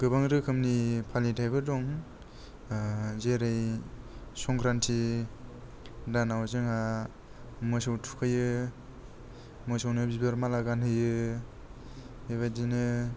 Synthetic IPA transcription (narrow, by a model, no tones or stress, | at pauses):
ɡ̥ɯbaŋɾɯkʰɯmnipʰalitʰajbɯdɔŋ | zeɾɯj | sɔŋkʰɾantʰi | danawzɯŋa | mɯsɔwtʰu̥kʰɯjɯ | mɯjsawnɯbibaɾmalaɡanhɯjɯ | heβajdinɯ